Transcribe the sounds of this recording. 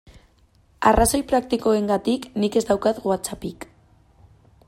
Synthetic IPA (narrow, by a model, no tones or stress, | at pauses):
araso̞jpɾak̚t̪iko̞e̞ŋɡat̪iknike̞zd̪awkaðɣoat͡sapik